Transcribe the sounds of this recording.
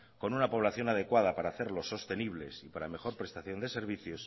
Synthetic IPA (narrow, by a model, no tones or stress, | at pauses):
ko̞nunapo̞β̞laθjo̞nað̞e̞kwað̞apaɾaːθe̞ɾlo̞sːo̞st̪e̞niβ̞le̞sipaɾame̞xo̞ɾpɾe̞st̪aθjo̞nd̪e̞se̞ɾβ̞iθjos